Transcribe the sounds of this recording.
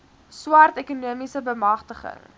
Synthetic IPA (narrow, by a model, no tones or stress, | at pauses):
swɐrtɛkunuəmisəbəmɐχtəχə̰ŋ